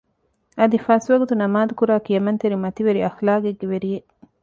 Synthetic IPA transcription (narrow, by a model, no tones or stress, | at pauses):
ɐd̪ifɐsʋɐɡut̪unɐmaːd̪ukuɾaːkijɐmɐnt̪eɾimɐt̪iʋeɾiɐxlaːɡeɡːeʋeɾije